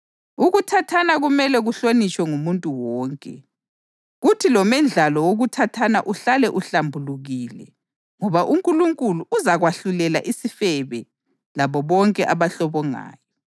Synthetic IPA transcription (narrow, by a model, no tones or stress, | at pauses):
uɣutʰatʰanaɣumɛlɛɣuɬonit͡ʃʼwɛŋumuntʼuwɔːŋkʼɛ | ɣutʰilɔmɛnd͡ɮʱalɔwoɣutʰatʰana̰ʔuɬalɛʔuɬambʱuluɣiːlɛ | ŋɔβaʔuŋkʼuluŋkʼuluʔːzaɣwaɬulɛlaʔisifɛβɛ | laβɔβɔŋkʼɛʔaβaɬɔβɔŋa̰ːjɔ